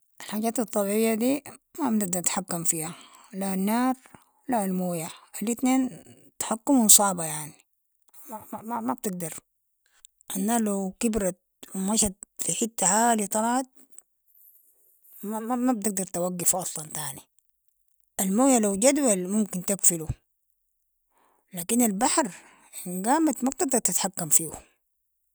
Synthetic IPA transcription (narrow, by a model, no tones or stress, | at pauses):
ʔalħaːɟaːt̪ɑt̪ˤːɑbʕɪjːad̪iːmabnɪɡ̚d̪ɑɾt̪ħakːamfiːhalanːaːɾ | lalmoːjaʔalit̪neːn | t̪ḁħakːumnsˤɑːbajaʕni | maamamab̚t̪ɪɡ̚d̪ɑɾˤ | ʔanːalawkibɾa | maʃat̪fiħit̪ːaʕaːlit̪ˤɑlʕɑt̪̚ | maamab̚t̪ɪɡ̚d̪ɑɾˤt̪awaɡːafʔɑsˤlɑnt̪aʕni | ʔalmoːjalawɟad̪walmumkint̪aɡfilu | laːkinalbaħɾ | nɡaːmat̪mab̚t̪ɪɡ̚d̪ɑɾˤt̪ɪt̪ħakːamfiːwu